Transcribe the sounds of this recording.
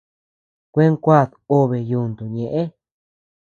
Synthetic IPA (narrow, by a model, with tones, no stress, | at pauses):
kʷe˦ŋkʷa˦˨ðo˦βe˨ju˧˨nd̪u˨ɲẽ˨ʔẽ˦